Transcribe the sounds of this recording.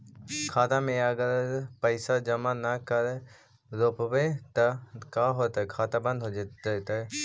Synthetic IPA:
kʰaːt̪amẽɐɡəɾpəɪsad͡ʒɐmanɐkɐɾ | ɾoːpwet̪ɐkaɦot̪ɐkʰaːt̪abɐ̃nd̪ʱɦod͡ʒt̪a

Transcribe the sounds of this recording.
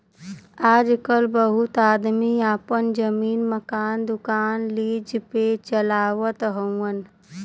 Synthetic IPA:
aːd͡ʒkəlbəɦʊt̪aːd̪miaːpənd͡ʒəmiːnməkaːnd̪ʊkaːnliːd͡ʒpet͡ʃəlaːwət̪ɦə̃ən

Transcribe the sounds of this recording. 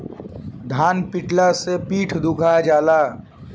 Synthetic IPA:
d̪ʱaːnpɪʈlasepiːʈʰd̪ʱʊkʰad͡ʒaːlaː

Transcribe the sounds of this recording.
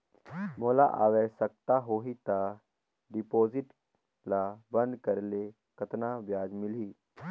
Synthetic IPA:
moːla̰ʔa̰ːʋɛːsək̚t̪aɦoːɦit̪a | ɖɪpoːzɪʈ | labə̃nd̪kəɾle | kət̪naʋjaːd͡ʒmɪliː

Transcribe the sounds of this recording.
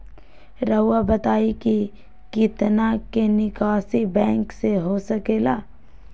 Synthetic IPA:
ɾɐʊwabɐt̪aːiki | kɪt̪nakenɪkaːsibɛ̃ːŋkseɦosɐkeːlaː

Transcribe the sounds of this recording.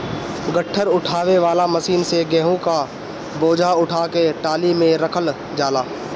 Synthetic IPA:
ɡəʈʰːəɾʊʈʰaːʋeʋaːlaməsiːnseɡɛːɦõka | boːd͡ʒʱaʊʈʰaːkeʈaːlimẽɾɐkʰəl | d͡ʒaːlaː

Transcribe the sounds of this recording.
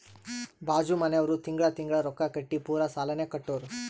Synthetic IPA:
bʱaːd͡ʒumɐneʋɐɾut̪iŋɡɐɭɐt̪iŋɡɐɭɐɾɔkːɐkɐʈːipuːɾɐsaːlɐnekɐʈːoːɾu

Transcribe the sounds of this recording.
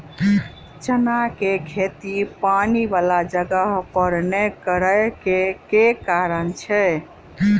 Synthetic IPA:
t͡ʃənakekʰet̪ipanibalad͡ʒəɡəɦpəɾnekəɾəkekekaɾənt͡ʃʰɛ

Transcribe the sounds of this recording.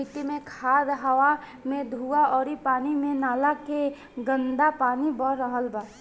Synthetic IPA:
it̪imẽkʰaːd̪ɦəʋa | mẽd̪ʱuaɔːɾipaːnimẽnaːlake | ɡə̃nd̪apaːnibəɾɾəɦəlbaː

